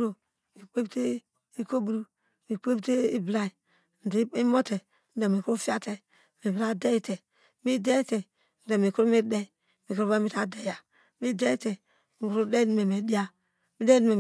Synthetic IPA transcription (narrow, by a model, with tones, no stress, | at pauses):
ɾo˨ | mi˨k͡pe˦bte˦ | i˦ko˦bu˨ɾu˦ | mi˨k͡pe˦bte˦i˦bla˦˨i˨ | n̩˨di˦mo˦te˨ | n̩˦de˨mi˨ku˦ɾu˦fi˦a˦te˨ | mi˨bi˨ɾa˦de˦i˦te˨ | mi˦de˦i˦te˨ | n̩˨de˨mi˨ku˦ɾu˦mi˦dɛ˦˨ | mi˨ku˦ɾu˦ba˦mi˦ta˨de˦˨ja˨ | mi˦de˦i˦te˨ | mi˨kɾu˦de˦ni˨me˨me˨di˦a˦ | mi˦de˦ni˦me˨m˨